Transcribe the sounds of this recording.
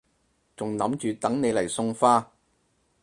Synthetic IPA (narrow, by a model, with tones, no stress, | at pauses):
t͡sʊ˨ŋnɐ˨˥mt͡ʃyː˨t̪ɐ˨˥ŋne˨˧jlɐ˨˩jsʊ˧ŋfaː˥